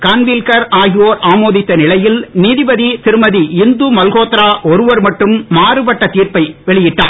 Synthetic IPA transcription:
kaːnʋilkɐɾaːɣɪjoːɾaːmoːðɪt̪ːɐnɪlɐjɪlniːðɪbɐðit̪ɪɾɯmɐðiɪnd̪umɐlɣoːt̪ɾaːʔɔɾɯʋɐɾmɐʈːɯmːaːrɯpɐʈːɐt̪iːɾpɐɪʋɛɭɪjɪʈːa̰ːn

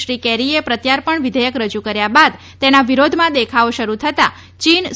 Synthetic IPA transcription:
ʃɾikɛɾiepɾət̪jaɾpəɳʋid̪ʱəjəkɾəd͡ʒukəɾjabad̪ | t̪enaʋiɾod̪ʱmãd̪ekʰaoʃəɾut̪ʰət̪a | t͡ʃin

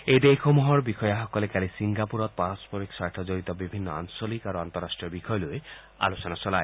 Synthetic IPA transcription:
ejd̪ekʰomɔɦɔɾbikʰɔjaɦɔkɔlekalisiŋɡapuɾɔt̪̚paɾɔspɔɾiksajʈʰɔd͡ʒoɾit̪ɔbibʱinːɔa̰ŋsolikaɾoant̪ɔɾasʈɾiɔbikʰɔjɔlue | a̰losɔnat͡ʃɔlae

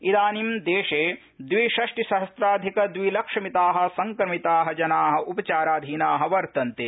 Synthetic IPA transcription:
id̪aːnimd̪eːʃeː | d̪ʋiʃɐʂʈiʃɐɦɐst̪ɾaːd̪ʱikɐd̪ʋilɐkʂɐmit̪aːɦɐ̆sɐŋkɾɐmit̪aːɦɐd͡ʒɐnaːɦɐ̆ʔupɐt͡ʃaːɾaːd̪ʱiːnaːɦɐ̆ʋɐɾt̪ɐnt̪eː

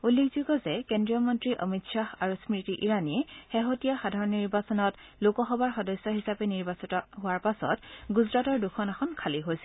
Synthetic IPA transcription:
ulːekzuɡɔzɛkendɹiɔmɔntɹiʔɔ̰mitsaɦaɹusmɹitiʔiɹaniɛxeɦotijaxadʱaɹɔnːiɹbasɔnɔt | lokɔxɔbaɹxɔdɔjsɔɦisapɛniɹbasitɔɦʊwaɹpasɔ̰tɡuzɹatɔɹdukʰɔnaxɔnkʰaliɦojsɛ

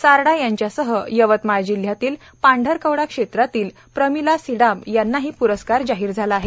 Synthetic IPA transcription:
saɾɽajaɲt͡ɕjasəɦəjəʋət̪majd͡ʑil̤jat̪iːl | paɳɖʱəɾkəʋɽakʂet̪ɾat̪iːl | pɾəmilasiɽamjanːaɦiːpuɾəskaɾd͡zaɦiːɾd͡zʱalaːɦe

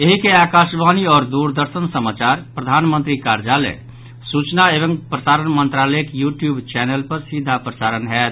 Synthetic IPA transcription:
eɦikeakasbaniɔːɾd̪uɾd̪əɾsənsəmat͡ʃaɾpɾəd̪ʱanmə̃nt̪ɾikaɾd͡ʒalḛ | sut͡ʃnaebəŋɡpɾəsaɾənmənt̪ɾaləkjuʈjubt͡ʃɛnelpəɾsid̪ʱːapɾəsaɾənɦɛt̪

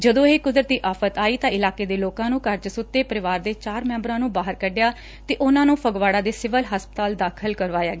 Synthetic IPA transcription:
d͡ʒəd̪õːɦeːkʊd̪ɾət̪iːʔaːpʰət̪aːiːt̪ãːɪlaːkeːd̪eːloːkãːnũːkəɾd͡ʒsʊt̪ːeːpəɾɪʋaːɾd̪eːt͡ʃaːɾmɛ̃ːmbɾãːnũːbaːɦəɾkəɖjaː | t̪eːʔʊnãːnũːpʰəɡʋaːɽaːd̪eːsɪʋəlɦəspət̪aːld̪aːkʰəlkəɾʋaːjaːɡeː

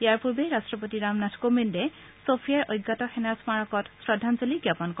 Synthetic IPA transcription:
jaɹpuɹbeɹastɹɔp̬otiɹamnatʰkominde | sopʰijaɹojɡːatɔxenasmaɹɔkɔtsɹɔdʱanzoliɡjapɔnk

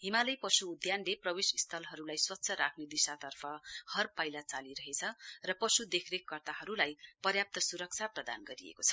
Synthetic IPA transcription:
ɦimalʌjpʌsuːd̪janleprʌwisist̪ʰʌlɦʌɾulajswʌt̪ːsʰʌɾakʰned̪isat̪ʌrpʰʌhʌrpʌjlat͡saliɾʌɦet͡sʰʌrʌpʌsud̪ekʰrekːʌrt̪aɦʌɾulajpʌrjap̚t̪ʌsuɾʌk̚t͡sʰaprʌd̪a̰nɡʌɾiḛkot͡sʰʌ̥

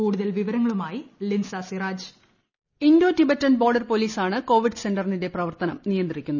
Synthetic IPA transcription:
uːɽuðɐlʋiʋɐɾɐŋːɐɭumaːjilinsaːsiraːd͡ʑ | indo̞ːtibetːɐnbo̞ːrɖɐrpo̞liːsaːɳɨko̞ːʋiɖɨse̞ndɐrninde̞prɐʋɐrt̪ɐnɐmnijɐnd̪irikʲːunːu

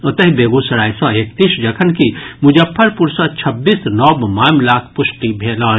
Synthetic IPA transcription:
ɐt̪əɦbeːɡusɐɾaːjsɔ̃eːk̚t̪iːʃd͡ʒɐkʰənkimʊd͡ʒəpʰːəɾpʊɾsɔt͡ʃʰɐbːiːsnɔːbmaːmlaːkʰpʊʃʈibʱeːlɔː

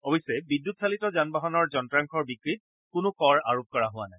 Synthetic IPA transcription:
ɔbɔjsːɛbidːutsalitɔzanbaɦɔnɔɹzɔntɹaŋkʰɔɹbikɹit̚ | kʊnʊkɔɹa̰ɹop̚kɔɹaɦʊanaj

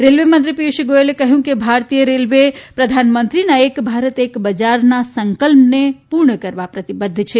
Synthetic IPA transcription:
ɾelʋemə̃nt̪ɾipiʃɡoelekəɦjũkebʱaɾt̪ijəɾelʋepɾəd̪ʱanmənt̪ɾinaekbʱaɾət̪ekbəd͡ʒaɾnasəŋkəlmnepuɾɳəkəɾbapɾət̪ibəd̪ʱːt͡ʃʰɛ

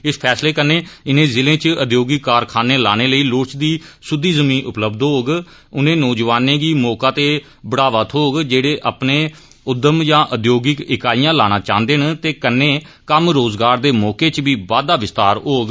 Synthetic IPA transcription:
ɪspʰɛːsleːkənːẽːɪnẽːzɪlẽːt͡ʃəd̪joːɡɪkːaːɾkʰaːneːlaːneːləiːlʊːt͡ʃd̪iːsʊd̪ːiːzəmĩːnʔʊpləbd̪ɦoːɡ | ʊnẽːnɔːd͡ʒʋaːnẽːɡiːmɔːkaːt̪eː | bəɽaːʋət̪ʰɦoːɡd͡ʒeːɽeːʔaːpneː | ʊd̪ːəmjãːʔəd̪joːɡɪkɪkaːijãːlaːñãːt͡ʃãːnd̪eːnt̪eːkənːẽː | kəmɾoːzɡaːɾd̪eːmɔːkeːt͡ʃʋiːʋaːd̪aːʋɪst̪aːɾɦoːɡ

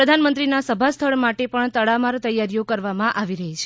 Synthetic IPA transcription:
ɾəd̪ʱanmənt̪ɾinasəbʱast̪ʰəɭmaʈepəɳt̪əɽamaɾt̪əjːaɾjokəɾʋamãʔaʋiɾəɦit͡ʃʰe̥

